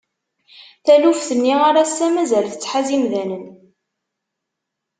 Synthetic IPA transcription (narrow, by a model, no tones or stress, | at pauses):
θælufθənːiʁaɾasæmæzælθət͡sːħazimðænən